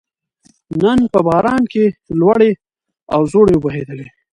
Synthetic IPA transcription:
nənpəbɑɾɑnkelwaɽe | awzoɽeʊbaɦed̪əle

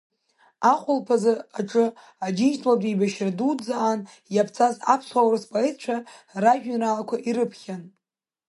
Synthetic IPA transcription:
aχʷʊlpʰazɨaʈ͡ʂʼɨ | ad͡ʒint͡ʃtʼladʼibaʃradud͡zaːn | japʰt͡sʰaza̰pʰsχawrɨspʼaitʰt͡ʃʷʰaraʒᶣnralakʷʰaʔiɾɨpʰχʲan

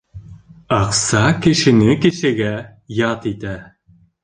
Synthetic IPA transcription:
ɑqsɑkɘ̆ʃɘ̆nɘkɘ̆ʃɘ̆ɡæ | jɑt̪it̪æ

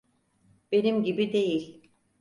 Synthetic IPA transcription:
b̥e̞nimɟibid̪e̞jilʲ

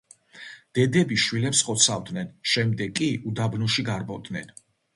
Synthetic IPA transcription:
d̪̥ɛd̪ɛbiʃwilɛpsχɔt̪sʰavd̪nɛnʃɛmd̪ɛɡʼiud̪abnuʃiɡaɾbɔd̪nɛ̰n

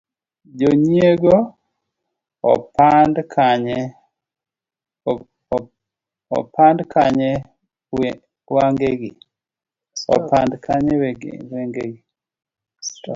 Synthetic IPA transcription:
d͡ʒoɲieɡo | pandkʰaɲɛ | ɔ̰pʰandkʰaɲɛ | waŋɡeɡi | ɔ̰pandkʰaɲɛwɛɡ̰weŋɡeɡi

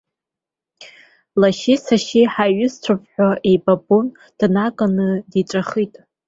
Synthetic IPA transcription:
laʃisaʃiħaɥʊst͡sʷʰapʰʼħᶣʷaʔejbabon | d̥nakʼanɨdiʈ͡ʂʷʼaχitʼ

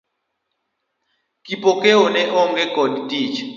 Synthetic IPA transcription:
kʼipʼɔkʼɛɔnɛʔɔŋɡɛɡɔdtʼiːt͡ʃ

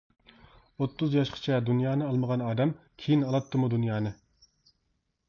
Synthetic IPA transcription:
ot̪ʰːuzjɑʃqʰə̥t͡ʃʰɛd̪unjɑːnɨɑlˠməʁɑnɑːd̪ɛmkʲʰejinɑlˠɑt̪ʰːɨmud̪unjɑːnɨ

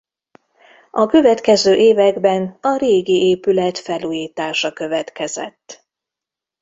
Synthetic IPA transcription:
ɒkø̞vɛt̪kɛzøːʔeːvɛɡbɛnɒɾeːɡieːpylɛt̪fɛluːjiːt̪aːʃɒkø̞vɛt̪kɛzɛ̰t̪ː

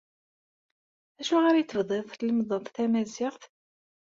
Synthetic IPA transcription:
æʃuʁaɾjit͡sːəvðˤeðˤθləmðˤəðˤθæmæzɪʁθ

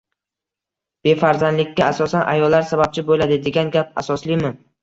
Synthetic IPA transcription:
b̥e̞faɾzand̪lɪkʲʰːaasɒsanʔa̰jɒlːaɾsabap̚t͡ʃʰɪbolad̪ɪd̪e̞ɡʲanɡʲap̚a̰sɒslimɪ

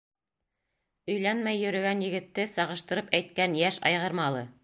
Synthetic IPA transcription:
ɵ̆jlænmæjːɵ̆ɾɘ̆ɡænjɘ̆ɡɘ̆t̪ːɘsɑʁɤ̆ʃt̪ɤ̆ɾɤpæjt̪kænjæʃɑ̰jʁɤ̆ɾmɑlˠɤ

